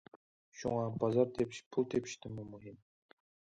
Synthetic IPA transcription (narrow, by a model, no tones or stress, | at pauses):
ʃṵŋɑbɑzɑɾt̪ʰepʃpʰulˠt̪ʰepʰi̥ʃt̪ʰɪmumuɦim